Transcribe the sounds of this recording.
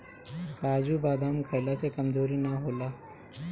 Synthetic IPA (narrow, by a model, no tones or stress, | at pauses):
kaːd͡ʒubaːd̪aːmkʰəɪlasekɐmzoːɾinaɦoːlaː